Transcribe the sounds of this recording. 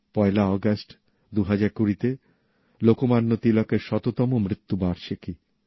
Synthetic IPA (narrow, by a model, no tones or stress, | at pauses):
pɔelaɔɡasʈ | d̪uɦad͡ʑaɾkuɾit̪e | lokomanːot̪ilɔkeɾʃɔt̪ot̪ɔmomɾit̪ːubaɾʃʰeki